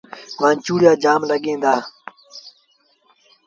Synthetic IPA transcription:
ʋãːnt͡ʃuːɽɪjaːd͡ʒaːmləɠẽːnd̪aː

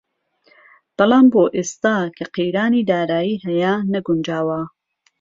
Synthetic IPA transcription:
b̥ɨlaːmboːʔeːst̪aːkʰɐqijɾaːniːd̪aːɾaːjiːhɐjanɐɡund͡ʒaːwɐ

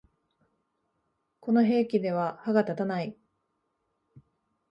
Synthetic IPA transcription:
ko̞no̞ɦe̞ːkʲid̪e̞β̞ahaɡat̪at̪anai

